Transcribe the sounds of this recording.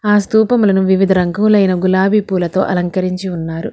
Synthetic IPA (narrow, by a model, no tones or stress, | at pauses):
aːst̪uːpɐmulɐnuʋiʋid̪ʱɐɾɐŋɡɐmlɐjnɐɡulaːbipuːlɐt̪o̞̰ːʔɐlɐŋkɐɾiɲt͡ʃiunːaːɾu